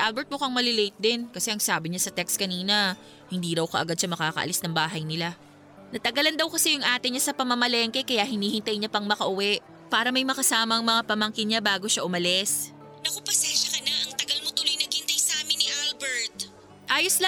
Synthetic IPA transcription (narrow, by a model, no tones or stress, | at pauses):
ʔalbɛɹt̪̚mokɐŋmɐlɪlejt̪̚d̪ɪnkɐsɛʔɐŋsaːbɪɲasɐt̪ɛkst̪̚kɐniːnɐ | hɪnd̪iːɾɐwkɐʔɐɡad̪̚sɐmɐkaːkɐʔɐ̰lɪsnɐŋbaːɦɐjnɪla | nɐt̪ɐɡɐland̪ɐwkɐsɛjʊŋʔaːt̪ɪɲasɐpɐmɐmɐlɛːŋkɛkɐjaʔhɪniːhɪnt̪ɐjɲapɐŋmɐkɐʔʊwɛʔ | paːɾɐmɐjmɐkɐsaːmɐŋmɐŋapɐmɐŋkɪnɲabaːɡo̞ʃaʔʊmɐlɛs | nɐkopɐsɛnʃɐkɐnɐʔɐŋt̪ɐɡɐlmot̪ʊlojnɐɡhɪnt̪ajsaːmɪnːɪʔalbɛɹt̪̚ | ʔaːjosl